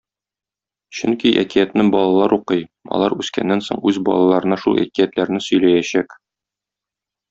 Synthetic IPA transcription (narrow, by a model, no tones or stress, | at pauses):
ɕɵŋkiʔæ̰kijæt̪nɘŋbɒlˠɑlˠɑɾʔuqɤjɒ̰lˠɑɾʉskæ̰nːænsoɴʉzbɒ̰lˠɑlˠɑɾɤ̆nɑʃulˠæ̰kijæt̪læɾnɘsɵ̆jlæjæɕæk